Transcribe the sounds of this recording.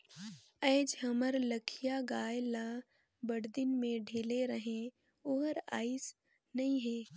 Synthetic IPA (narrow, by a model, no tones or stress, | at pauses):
ɛːd͡ʒɦəməɾləkʰijaɡaːjla | bəɽd̪ɪnmẽɖʱeːleɾəɦẽ | oɦəɾa̰ːɪs | nɐĩɦɛː